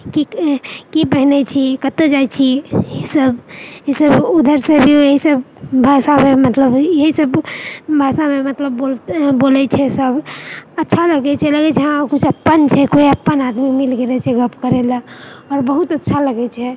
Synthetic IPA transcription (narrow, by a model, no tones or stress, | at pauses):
kikipəɦnɛt͡ʃʰikət̪ːed͡ʒajt͡ʃʰiesəbeisəbud̪ʱəɾsebʱioeɦisəbbʱasamemət̪ləbjeɦisəbbʱasamemət̪ləbːolbolɛt͡ʃʰɛsəbətːʃʰaləɡɛt͡ʃʰɛləɡɛt͡ʃʰɛɦãkut͡ʃʰəpːənt͡ʃʰɛkoiəpːənad̪mikmilɡelɛt͡ʃʰɛɡəpkəɾɛlaɔɾbəɦut̪ətːʃʰaləɡɛt͡ʃʰɛ